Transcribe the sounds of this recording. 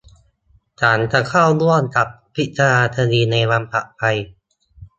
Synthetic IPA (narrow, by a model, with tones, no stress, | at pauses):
t͡ɕaː˩˦nt͡ɕa˨˩kʰaː˥˩wlu˥˩ənt͡ɕa˨˩p̚pʰi˦˥t͡ɕʰa˧naː˧t̪ʰa˧diː˧na˧jwa˧mpʰa̰˨˩ʔpʰa˧j